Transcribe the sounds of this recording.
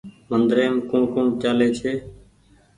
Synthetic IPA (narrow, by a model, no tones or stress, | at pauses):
mənd̪ɾeːmkũːɳkũːɳt͡ʃaːleːt͡ʃʰeː